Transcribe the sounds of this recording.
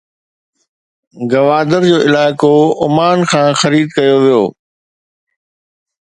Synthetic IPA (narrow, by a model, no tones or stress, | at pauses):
ɡɐʋaːd̪əɾd͡ʑoːʔɪlaːɪkoʊmaːnxʰãːxɐɾiːd̪kɐjoʋijoː